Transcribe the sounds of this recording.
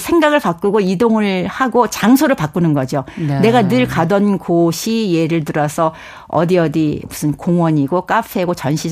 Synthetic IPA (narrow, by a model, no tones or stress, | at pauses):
sʰe̞ŋɡaɡɯɭpak͈uɡoidoŋɯɭhaɡot͡ɕaŋsʰoɾɯɭpak͈unɯnɡʌd͡ʑone̞ɡanɯɭkadʌnkoɕʰije̞ɾɯɭt̬ɯɾʌsʰʌ | ʌ̰diʌdimusʰɯnkoŋwʌɲiɡok͈apʰe̞ɡot͡ɕʌnɕʰi